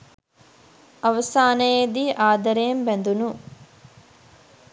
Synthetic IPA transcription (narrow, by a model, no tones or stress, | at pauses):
ɐʋɐsaːnɐjed̪iʔaːd̪ɐɾɐjɐmbɛnd̪unu